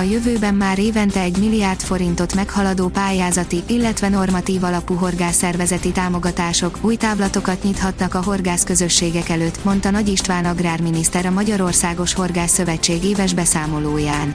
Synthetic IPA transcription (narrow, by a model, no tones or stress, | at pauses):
ɒjøvøːbɛmːaːɾeːvɛnt̪ɛɛɟmilːijart̪fo̞ɾint̪o̞t̪mɛkhɒlɒd̪oːpaːjaːzɒt̪iʔilːɛt̪ʋɛno̞rmɒt̪iːvɒlɒpuɦo̞rɡaːsːɛrvɛzɛt̪it̪aːmo̞ɡɒt̪aːʃo̞kuːjt̪aːvlɒt̪o̞kɒt̪ɲit̪hɒt̪nɒkɒɦo̞rɡaːskø̞zø̞ʃːeːɡɛkɛløːt̪ːmo̞nt̪ɒnɒɟiʃt̪ʋaːnɒɡraːrminist̪ɛɾɒmɒɟɒɾo̞rsaːɡo̞ʃho̞rɡaːsːø̞vɛt͡ʃːeːɡeːvɛʒbɛsaːmo̞loːjaːn